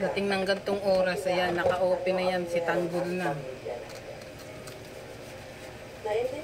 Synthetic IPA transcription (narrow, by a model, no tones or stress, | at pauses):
d̪ɐt̪ɪŋnɐŋɡɐnt̪oŋʔoːɾɐsɐjanːɐkɐʔoːpɪnɐjansɪt̪aŋɡʊlna